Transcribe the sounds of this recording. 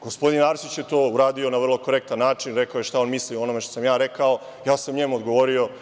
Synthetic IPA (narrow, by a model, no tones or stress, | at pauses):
ɡ̥o̞spo̞d̪inaːɾsit͡ɕjet̪o̞ːuɾaːd̪io̞naʋr̩lˠo̞ko̞ɾek̚t̪anːaːt͡ʃinɾekaojeʃt̪ao̞nmislioo̞no̞meʃt̪o̞samjaːɾe̞kao | jaːsamuɲemuod̪ɡo̞ʋo̞ɾio̞